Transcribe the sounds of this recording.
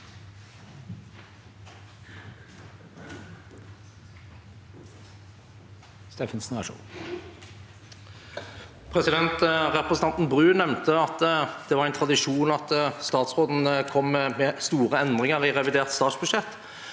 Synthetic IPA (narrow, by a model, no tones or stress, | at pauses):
st̪eːfənsnʋæʂṵːn | pʰʁɛsɪd̪ɛnt̪ʁɛpʁəsn̩ɑnt̪n̩bʁʉːnɛmnt̪əɑt̪d̪̥ɛʋɑːʁæɪnt̪ʰʁɑd̪ɪʂuːnɑt̪st̪ɑːt̪sʁoːd̪n̩kʰɔmːmɛːst̪uːʁəɛnd̪ʁɪŋəʁiʁɛʋɪd̪eːʁt̪st̪ɑːt̪sbʉʃɛt̪ː